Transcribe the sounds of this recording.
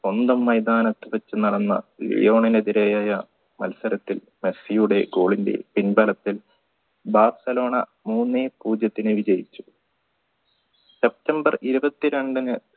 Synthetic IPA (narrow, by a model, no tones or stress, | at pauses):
o̞nd̪ɐmːɐjd̪aːnɐt̪ːɨʋɐt͡ɕːɨnɐɽɐnːɐ̰lḭjo̞ːɳineðiɾejaːjɐ | mɐ̰lsɐɾɐt̪ːil | me̞sijuɽe̞ɡo̞ːɭinde̞̰pinbɐlɐt̪ːil | baːrsɐlo̞ːɳɐ̰ | muːnːeːpuːd͡ʑɐt̪ːinɨʋid͡ʑɐjit͡ɕːu̥ | se̞p̚tɐmbɐriɾubɐt̪ːiɾe̞ɳɖɐnɨ